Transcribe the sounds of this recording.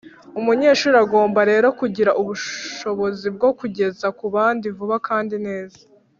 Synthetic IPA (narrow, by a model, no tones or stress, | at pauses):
umuɲe̞ːʃuɾaɡo̞ːmbaɾe̞ːɾo̞kuɟiɾaʔuβuʃo̞βo̞zib̚ɡo̞kuɟe̞zakuβaːndivuβakʰaːndine̞ːzḁ